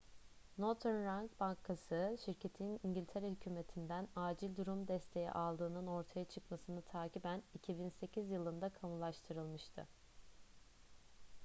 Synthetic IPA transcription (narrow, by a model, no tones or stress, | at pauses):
not̪ʰɛnɾaŋkbaŋkʰasɯʃiɾcʰe̞t̪ʰiniɲɟilʲt̪ʰeɾɛhycʰyːme̞t̪ʰind̪ænaːd͡ʒilʲd̪uɾumd̪ɛst̪ʰe̞jɛ̰ʔalˠd̪ɯːnɯno̞ɾt̪ʰajat͡ʃʰɯkmasɯnɯt̪ʰaːcibænicʰibinse̞cʰizjɯlˠɯnd̪akʰamulˠaʃt̪ʰɯɾɯlˠmɯʃt̪ʰɯ̰